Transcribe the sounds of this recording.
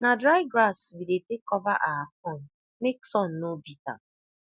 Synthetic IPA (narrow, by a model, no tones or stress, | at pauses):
nadɾajɡɾasbidetekɔvaʔaakɔn̩ | meksɔn̩nobita̰